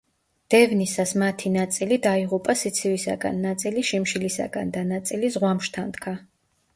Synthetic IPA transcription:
d̪̥ɛvnisasmat̪ʰinat̪sʼilid̪aiʁupʼasit̪sʰivisa̰ɡa̰nːat̪sʼiliʃimʃilisa̰ɡa̰nd̪anat̪sʼilizʁwamʃt̪ʰand̪kʰa

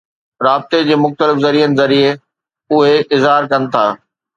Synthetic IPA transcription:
ɾaːbɪt̪ed͡ʑeːmʊxt̪əlɪfzɐɾiːənɪ̆zɐɾie | ʊɦeʔɪzɦaːɾkɐnɪ̆t̪ʰaː

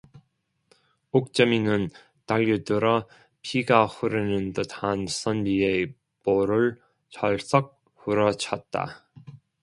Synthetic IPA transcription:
ok̚t͡ɕ͈ʌminɯn | taʎːidɯɾʌ | pʰiɡaɸuɾɯnɯntɯtʰansʌnbie | poɾɯɭ | t͡ɕʰʌɭs͈ʌk̚ | ɸuɾʌt͡ɕʰʌt̚t͈a̰

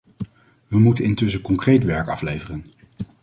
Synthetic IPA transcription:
ʋəmutənɪntɵsəkɔŋkrejtʋɛɹkɑflejvərən

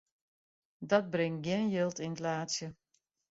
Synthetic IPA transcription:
dɑd̚brɪŋt̚ɡɪnjɪlˠtɪntlaːtsjə

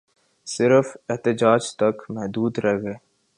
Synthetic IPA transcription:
sɪɾəfɪɦt̪ɪd͡ʒaːd͡ʒt̪ɐkmɛɦd̪uːd̪ɾɛɦɡeː

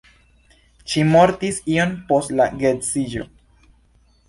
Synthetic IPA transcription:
ʃimo̞ɾtisio̞npo̞stlaɡetsid͡ʒo̞̰

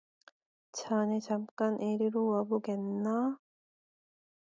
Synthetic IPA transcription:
t͡ɕʰanet͡ɕamk͈anʔeɾiɾowaboɡenːa

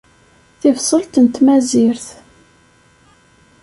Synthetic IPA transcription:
θɪvsˤəlt̪ənt̪mæziɾθ

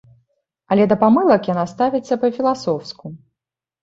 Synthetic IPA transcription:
ɐlʲɛd̪ɐpamɨlˠɐkjanast̪avʲit̪sʲːɐpɐfʲilˠasɔwsku

